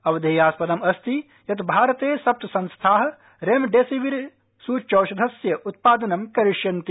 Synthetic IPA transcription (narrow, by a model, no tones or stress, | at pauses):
ɐʋɐd̪ʱeːjaːspɐd̪ɐmɐst̪i | jɐt̪bʱaːɾɐt̪eːsɐp̚t̪sɐnst̪ʰaːɦɐ̆ | ɾeːmɖeːsiʋiɾ | suːt͡ʃɐːʃɐd̪ʱɐsjɐʔut̪̚paːd̪ɐnɐmkɐɾɪʂjɐnt̪i